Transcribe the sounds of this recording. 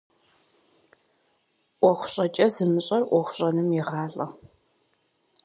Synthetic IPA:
ʔʷɔχʷɕʼɐt͡ʃʼɐzɨmɨɕʼɐrʔʷɔχʷɕʼɐnɨmjɛʁɑːɮʼɐ

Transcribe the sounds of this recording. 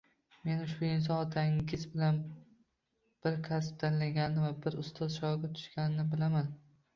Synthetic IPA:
me̞nʊʃbʊɪns̬ɒnɒt̪ʰaŋɡʲɪzbɪlan | b̥ɪɾkʲʰas̬p̚t̪ʰanlaɡʲanɪnɪvabɪɾʊst̪ʰɒzʃɒɡʲat̪ʰʊ̥ʃkʲanɪnɪbɪlaman

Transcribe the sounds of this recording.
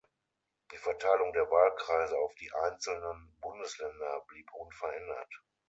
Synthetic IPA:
d̥iːfɛɐtʰaɪlʊŋdeːɐvaːlkʁ̥aɪzəaʊfd̥iːʔaɪnt͡sl̩nənbʊndəslɛndɐbliːpʔʊnfɛɐʔɛndɐ̰t

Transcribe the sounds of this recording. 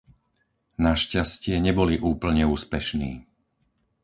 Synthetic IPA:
naʃcascɪɛɲɛbɔliʔuːpl̩ɲɛuːspɛʃnḭː

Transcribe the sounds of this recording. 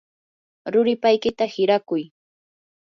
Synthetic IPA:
ɾʊɾɪpajkɪt̪ahɪɾakʊj

